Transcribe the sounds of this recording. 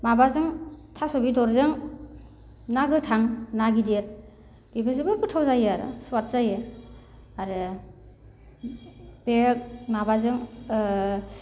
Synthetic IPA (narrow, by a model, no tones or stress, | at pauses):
mabazɯŋtʰasɔbidɔɾzɯŋ | naɡɯtʰaŋnaɡideɾ | libɯzɯbɯɾputʰawzajɯaɾɯ̰suat̚z̥ajɯ | aɾɯ | b̥ek̚mabazɯŋ